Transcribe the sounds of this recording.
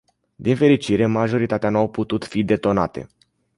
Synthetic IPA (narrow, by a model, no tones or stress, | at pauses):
d̪infe̞ɾit͡ʃiɾe̞maʒo̞ɾit̪at̪eanuawput̪ut̪fid̪e̞t̪o̞na̰t̪ḛ